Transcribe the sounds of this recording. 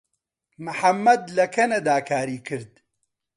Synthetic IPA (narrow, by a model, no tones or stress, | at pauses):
mɨħɐmːɐd̪lɐkʰɐnɐd̪aːkʰaːɾiːkʰɨɾd̪